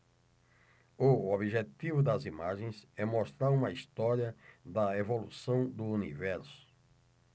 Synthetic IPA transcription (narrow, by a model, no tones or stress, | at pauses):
ʊobiʒet̪ivʊd̪ɐzimaʒẽj̃sɛmost̪ɾaɾũmɐist̪ɔɾiɐd̪ɐevolusɐ̃w̃d̪ʊunivɛɾsʊ̥